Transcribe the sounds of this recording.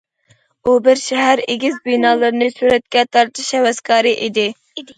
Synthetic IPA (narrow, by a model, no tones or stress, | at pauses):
ubɪɾʃɛɦæɾeɡʲizbinɑːlˠɨɾɨnɨsyɾɛt̪̚kʲɛt̪ʰɑɾt̪ʰɨʃɛwɛskʰɑːɾɨʔid̪ɪ